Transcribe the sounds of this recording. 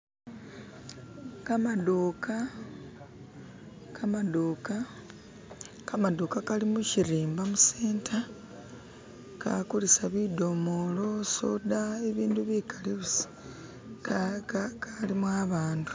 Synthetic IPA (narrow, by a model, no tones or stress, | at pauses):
kamadoːkʰa | kʰamadoːka | kamad̪okakalimuciɾiːmbamuseːntʰa | ka̰kulisaβido̞mo̞lo̞so̰daeβiːnduβikʰaleβus | kalimwaβaːndu̥